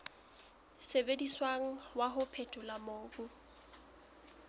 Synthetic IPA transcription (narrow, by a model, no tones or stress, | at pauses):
sebediswaŋ̩waɦʊpʰetʼʊlamoːbu